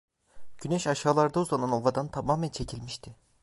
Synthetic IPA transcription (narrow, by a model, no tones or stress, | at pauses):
ɟ̥ynɛʃaʃaːlˠaɾd̪auzˠananovad̪ant̪ʰamaːmɛnt͡ʃʰe̞cʰilʲmiʃt̪ʰɪ